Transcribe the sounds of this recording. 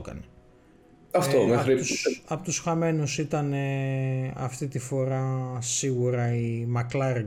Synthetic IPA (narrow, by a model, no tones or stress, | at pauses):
kɐ̰ne | ɐft̪omexɾiɐpot̪usxɐme̞nusit̪ɐne̞ | ɐ̰ft̪it̪ifo̞ɾɐsiɣuɾɐimɐklɐɾ